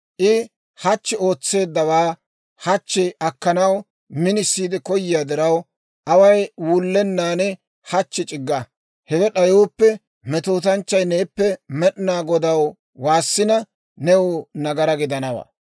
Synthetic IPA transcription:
ʔɪ | hɐt͡ʃːɪo̞ːt͡sːe̞ːd̪ːɐwaː | hɐt͡ʃːɛʔɐkːɐnɐw | mɪnɪsːiːd̪ɛkɔjːɪjaːd̪ɪɾɐw | ʔɐwɐjwʊlːɛnːaːnɛ | hɐt͡ʃːɪt͡ʃʼɪɡːɐ | hɛwɛɗɐjoːpːɛ | mɛt̪oːt̪ɐnt͡ʃːɐjne̞ːpːɛmɛɗɪnaːɡɔd̪ɐw | waːsːɪnɐ | nɛwʊnɐɡɐɾɐɡɪd̪ɐnɐwa̰

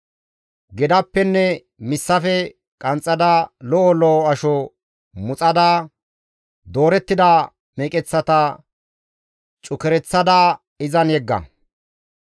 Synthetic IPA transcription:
ɡɛd̪ɐpːɛnːɛ | mɪsːɐfɛ | kʼɐnt͡sʼːɐd̪aːlɔʔɔlɔɐʃɔ | mʊt͡sʼɐd̪aː | d̪o̞ːɾɛt̪ːɪd̪a | meːkʼɛt͡sːɐt̪ɐ | t͡ʃʼʊkɛɾɛt͡sːɐd̪aː | ɪzɐnjɛɡːɐ̰

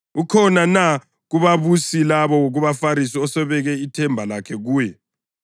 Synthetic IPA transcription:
ukʰɔnana | ɣuβaβusilaβɔwoɣuβafaɾisiɔsɛβɛɣɛitʰɛmbʱalakʰɛɣuːjɛ

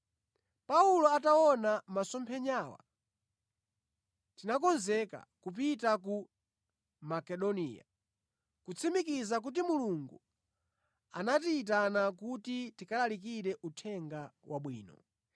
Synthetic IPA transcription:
paulɔatawɔnamasɔmpʰɛɲaːwa̰ | tinakɔnzɛka̰kupitak̬u | makɛɗɔnḭːja̰ | kut͡sʰimikizak̬ut̬imuluŋɡu | a̰natiːt̬anak̬utitikalalik̬iɾɛʔutʰɛŋɡawʔa̰ɓwḭːnɔ̰

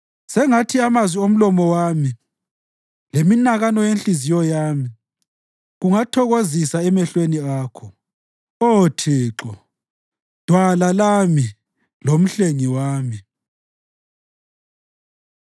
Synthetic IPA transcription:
sɛŋatʰiamazwiom̩lɔmɔwaːmi | leminaɣanɔjenɬizijɔjaːmi | ɣuŋatʰɔɣozisaɛmɛɬweniaːkʰɔ | otʰiːǁɔ | d̥ʱwalalami | lom̩ɬeŋiwaːmi

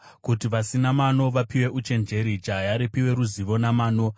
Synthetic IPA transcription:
kutiʋasinamano̞ʋapiwe̞ʔut͡ʃe̞nd͡ʒe̞ɾit͡ʃajaɾipiwe̞ɾuziʋo̞namaːno̞

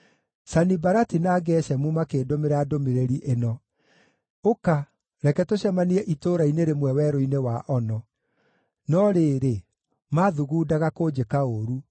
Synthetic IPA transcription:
sanibaɾatinaːɡɛɕɛmumakeːdomeɾadomeɾeɾiʔenɔ | oka | ɾɛkɛtoɕɛmaniɛʔitoːɾaineɾemwɛwɛɾoinewaʔɔnɔ | nɔɾeːɾe | maðuɣuːdaɣakod͡ʑekaoɾu

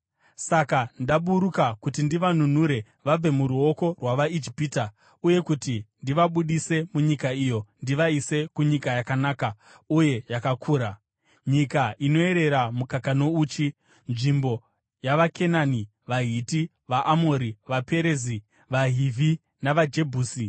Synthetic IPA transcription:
sakandaɓuɾukakutindiʋanun̤uɾe̞ | ʋab͡ve̞muɾuoko̞rwaʋaid͡ʒipiːta | uje̞kutindiʋaɓuɗise̞muɲikaijo̞ndiʋaise̞kuɲikajakanaːka | uje̞jakakʰuːɾa | ɲikaʔino̞e̞ɾe̞ɾamukakano̞uːt͡ʃi | nʐimbo̞ | jaʋakʰe̞naːni | ʋaɦiti | ʋaʔamoɾiʋape̞ɾeːzi | ʋaɦivʱi | naʋad͡ʒe̞bʱuːsi

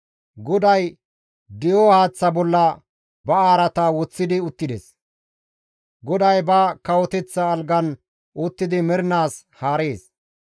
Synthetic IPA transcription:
ɡɔd̪ɐj | d̪ɪjohaːt͡sːɐbɔlːɐ | bɐaːɾɐt̪ɐwɔt͡sːɪd̪ɪʊt̪ːɪd̪ɛs | ɡɔd̪ɐjbɐkɐwɔt̪ɛt͡sːɐːlɡɐn | ʔʊt̪ːɪd̪ɪmɛɾɪnaːs | haːɾeːs

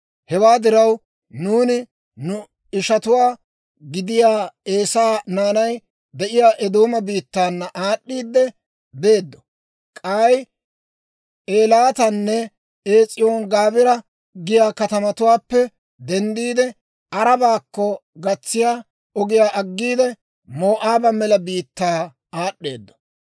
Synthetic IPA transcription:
hɛwaːd̪ɪɾɐw | nuːnɪ | nʊ | ɪʃɐt̪ʊwaː | ɡɪd̪ɪjaːeːsaːnaːnɐj | d̪ɛʔɪjaːʔɛd̪oːmɐbiːt̪ːaːnːɐʔaːɗːiːd̪ːɛ | be̞ːd̪ːɔ̥ | kʼaːj | eːlaːt̪ɐnːɛ | eːt͡sʼːɪjoːnɡaːbɪɾɐ | ɡɪjaːkɐt̪ɐmɐt̪ʊwaːpːɛ | d̪ɛnd̪iːd̪ɛ | ʔɐɾɐbaːkːɔɡɐt͡sːɪjaː | ɔɡɪjaːʔɐɡːiːd̪ɛ | mo̞ːʔaːbɐmɛlɐbiːt̪ːaː | aːɗːe̞̰ːd̪ːɔ̥

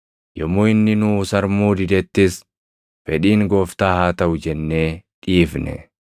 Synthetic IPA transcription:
jɔmʊːɪnːɪnuʊsɐɾmuːd̪ɪd̪ɛt̪ːɪs | fɛᶑiːŋɡo̞ːft̪aːhaːt̪ɐʔʊd͡ʒɛnːeːᶑiːfnɛ̰

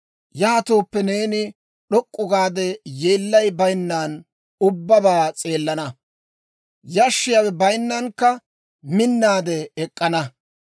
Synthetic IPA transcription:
jaːɐt̪oːpːɛneːnɪ | ɗɔkʼːʊɡaːd̪ɛjeːlːɐjbɐjnːaːn | ʊbːɐbaːt͡sʼe̞ːlːɐnɐ | jɐʃːɪjawɛbɐjnːɐnkːɐ | mɪnːaːd̪ɛːkʼːɐnɐ

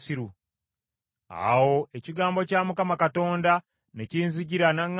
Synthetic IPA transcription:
siɾu | a̰wo̞eciɡaːmbo̞camukamakato̞ːnda | neciːnziɟiɾanaŋː

